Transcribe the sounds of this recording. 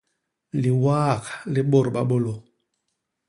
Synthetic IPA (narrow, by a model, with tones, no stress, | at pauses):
li˨waː˦˨ka˨li˦ɓo˦˨ɾɓa˦ɓo˦lo˨